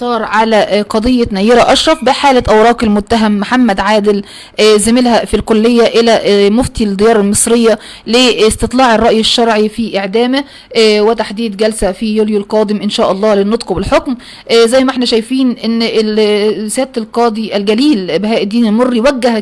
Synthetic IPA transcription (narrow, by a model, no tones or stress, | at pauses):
sˤɑːɾˤʕalæqɑd̪ˤejːɑnæjːeɾæʔɑʃɾˤɑfbɪħaːlæʔæwɾˤɑːkelmʊt̪ːæɦæmːħamːæd̪ʕaːd̪ɪl | zɪmɪlhæfilkolːejːæʔelæmoft̪id̪ejɑːɾˤɑlmɨsˤɾejːæ | lest̪et̪ˤlɑːʕerˤːɑʔjeʃːɑɾˤʕifiʔeʕd̪æːmɪ | wet̪aħd̪iːd̪ɡælsæfijuːljolqɑːd̪ɪmʔɪnʃæːʔɑlˤːɑːlenːot̪ˤqobelħokm | zæjːmæʔeħnæʃæjfiːnʔenː | sæːt̪elqɑːd̪ˤiʔælɡæliːlbeɦæːʔɪd̪ːiːnmorːijwæɡːæhæ